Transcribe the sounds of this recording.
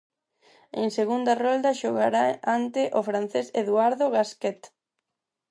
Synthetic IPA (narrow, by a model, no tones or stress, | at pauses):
ḛŋseɣund̪arɔld̪aʃoɣaɾaant̪eʔofɾan̟θeseðuaɾðoɣaskɛt̪